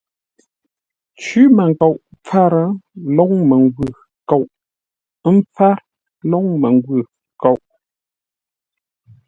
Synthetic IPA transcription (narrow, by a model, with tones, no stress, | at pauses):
t͡ʃʉ˨˦mə˨ŋ˨kɔ˨ʔp͡fa˦˨ɾə˨˦lɔ˦ŋmə˨ŋɡwʉ˨ | kɔ˨ʔ | m˦p͡fa˦ɾ | lɔ˦ŋmə˨ŋɡwʉ˨ | ko˨wʔ